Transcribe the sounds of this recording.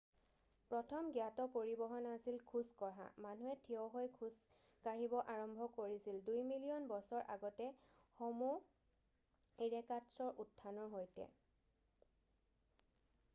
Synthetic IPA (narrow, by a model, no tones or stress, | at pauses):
pɹɔtʰɔmɡjatɔpoɹibɔɦɔnasilkʰuskɔɹa̰manuɛtʰiɔɦojkʰus | kaɹibɔʔaɹɔmbʱɔkoɹisildujmilijɔnbɔsɔɹʔa̰ɡɔtɛxɔmu | eɹɛkadsɔɹʔutʰːanɔɹɦojtɛ̰